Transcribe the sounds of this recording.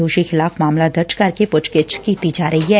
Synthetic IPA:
uːʃixɪlaːfmaːmlad̪ʱɐt͡ʃkɐɾkepʊt͡ʃkɪt͡ʃkit̪id͡ʒaːɾɐɦiɦɛː

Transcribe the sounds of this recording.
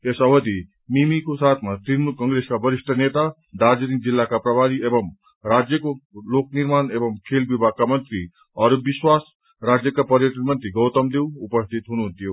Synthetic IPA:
esaʋəd̪i | mimikosat̪ʰmat̪inukə̃ŋɡɾeskabəɾiʂʈʰənet̪a | d̪aɾd͡ʒənik̚d͡ʒilːakapɾəbʱaɾiebəm | ɾad͡ʒjəkolok̚niɾmaːnebəmkʰelbibʱakamənt̪ɾi | ɔːɾbiswaːs | ɾad͡ʒjəkapəɾjəʈənmə̃nt̪ɾiɡəʊt̪əmd̪euupəst̪ʰit̪ɦunuɦnt̪ijo

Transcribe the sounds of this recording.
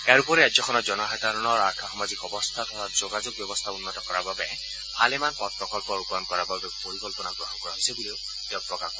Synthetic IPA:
ɛaɹupɔɹɛajzɔkʰɔnɔzɔnɔɦadaɹɔnɔɹakʰaxɔmazikɔbɔst̪ʰatʰɔɹazoɡazoɡ̚bjɔbɔst̪ʰaunːɔtɔkɔɹababɛ | halemanpɔt̚pɔkɔlpɔɹupɔɔnkɔɹababɛpoɹikɔlpɔnaɡɹɔɦɔnkɔɹaɦosebuleʊ | ɛʊpɹɔkakɔ

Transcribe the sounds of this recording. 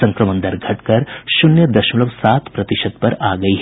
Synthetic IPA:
sɐ̃ŋkɾɐmɐ̃nd̪ɐɾɡʱɐʈkɐɾʃʊnjəd̪ɐʃmulɐʋsaːt̪pɾɐt̪ɪʃəd̪pɐɾaːɡɐiɦ

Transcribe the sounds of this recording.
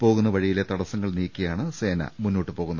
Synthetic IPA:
po̞ːɣunːɐʋɐɻijile̞t̪ɐɽɐsɐŋːɐɭniːkʲːɐjaːɳɨse̞ːnɐ̰munːo̞ːʈːɨpo̞ːɣunːɐð

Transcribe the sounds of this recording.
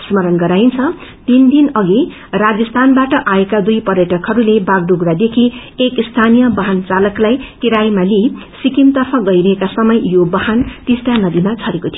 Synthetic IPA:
smʌɾʌnɡʌɾajint͡sʰʌt̪ind̪inʌɡi | rad͡zʌst̪ʰanbaʈʌʔaekad̪ujpʌɾjʌʈʌkɦʌɾulebaɡɖuɡɾad̪ekʰiekist̪ʰanijʌbʌɦant͡salʌklajkiɾajmali | sikimt̪ʌrpʰʌɡʌjɾʌɦekasʌmʌjjobʌɦant̪isʈanʌd̪imat͡sʰʌɾekot̪ʰij

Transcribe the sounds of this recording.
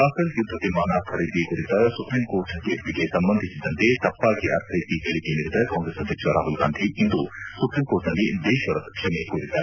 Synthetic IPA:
aːkɐsjud̪ʱːɐʋ̪imaːnɐkʰɐɾid̪ikuɾit̪ɐsupɾimkoːɾʈkeːʈliɡesɐmbɐnd̪ʱisid̪ɐnt̪et̪ɐpːaːɡiʔɐ̰ɾt̪ʰɐjt̪ikɐɭik̪eniɾid̪ɐkaːŋɡɾesɐd̪ʱjɐkʂʋɐɾaːɦulɡa̰ːnd̪ʱiind̪usupɾiːmkoːɾʈnɐlːid̪eːʃʋɐɾɐt̪ɐkʂɐmekuɾit̪ːaːɾe

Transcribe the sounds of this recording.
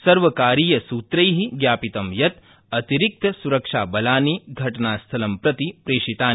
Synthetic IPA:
sɐɾʋɐkaːɾiːjɐsuːt̪ɾɐjɦiɡjaːpit̪ɐmjɐt̪ | ɐt̪iɾik̚t̪ɐsuɾɐkʂaːbɐlaːniɡʱɐʈɐnaːst̪ʰɐlɐmpɾɐt̪ipɾeːʂit̪aːn

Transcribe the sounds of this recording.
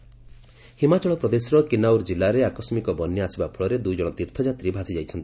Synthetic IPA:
himat͡ʃɔɭɔpɾɔd̪esɾɔkinawɾd͡ʒilːaɾeakɔsmikɔbɔnːjɔasibapʰuɭɔɾed̪ujd͡ʒɔɽ̃ɔt̪iɾt̪ʰɔd͡ʒat̪ɾibʱasid͡ʒajt͡ʃʰɔnt̪i

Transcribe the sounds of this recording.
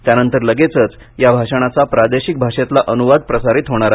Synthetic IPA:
t̪janənt̪əɾləɡet͡sət͡s | jabʱaʂəɽ̃at͡sapɾad̪eɕik̚bʱaʂet̪laʔənuʋad̪̚pɾəsaɾit̪ɦoɽ̃aɾa

